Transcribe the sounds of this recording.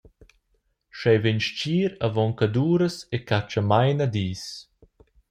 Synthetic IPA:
ʃɛjvenʃt͡ʃiːɾavɔŋkad̪uːɾəsekat͡ʃamajnad̪iːs

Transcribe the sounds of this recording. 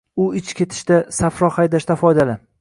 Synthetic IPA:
ʊɪt͡ʃkʲʰe̞t̪ʰɪ̥ʃt̪asafɾɒχajd̪aʃt̪afɒjd̪alɪ

